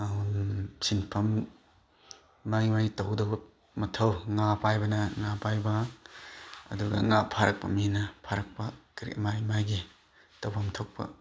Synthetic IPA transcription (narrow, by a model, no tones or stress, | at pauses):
sinpʰɐm | maɡimaɡitɐwdɐb | mɐtʰɐwŋapajbɐnɐŋapajbɐ | ɐ̰duɡɐ̰ŋapʰaɾɐk̚pɐ̰minɐpʰaɾɐk̚pɐkɾḭmamaɡi | tɐwpʰamtʰok̚pɐ̰